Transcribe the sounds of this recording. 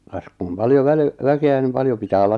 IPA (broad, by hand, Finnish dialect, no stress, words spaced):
kɑs kum pɑljo ʋæli ʋækeæ nim pɑljo pitæː olːɑt